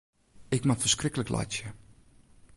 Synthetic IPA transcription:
ɪkmafərskrɪkələklʔa̰jt͡ʃjə

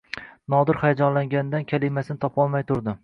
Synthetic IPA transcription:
nɒd̪ɪɾχajad͡ʒɒnlaŋɡʲand̪ankʲʰalˠɪmasɪnɪt̪ʰɒpɒlˠmajt̪ʰʊɾd̪ɪ

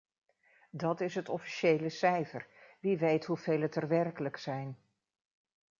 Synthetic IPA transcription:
dɑtɪsɦətɔfi̥ʃejləsɛjfərʋiʋejtɦuv̥ejlətərʋɛrkələksɛjn

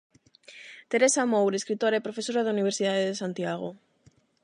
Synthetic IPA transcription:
t̪eɾesamowɾeskɾit̪oɾaepɾofesoɾaðauniβ̞eɾsiðaðeðesant̪jaɣ̞o̰

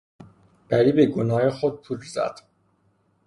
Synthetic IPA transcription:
b̥æɾiːbeɡonɒːhexod̪̚pʰuːlzæ̰d̪̥

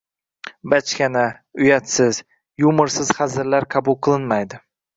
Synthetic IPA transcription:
bat͡ʃkʲana | ʊjat̪sɪz | jʊmɨɾsɪz̥χɑzɪɾlaɾqʰɑbʊlˠqʰɨlˠɪnmajd̪ɪ

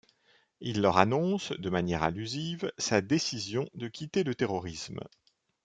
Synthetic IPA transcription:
ilːœʁanɔ̃sd̪əmanjɛʁalyzivsad̪esizjɔ̃d̪əkʲit̪elət̪eʁɔʁism

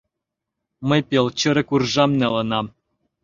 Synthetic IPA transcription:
mə̆jpelˠt͡ɕə̆ɾɘ̆kurʒɑmnĕlˠɤ̆nɑm

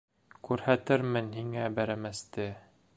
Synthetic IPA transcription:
kʉɾhæt̪ɘɾmɘnhiŋæbæɾæmæst̪ɘ

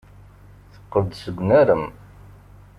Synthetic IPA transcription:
θə̥qːəvd̪səɡʷnæɾəm

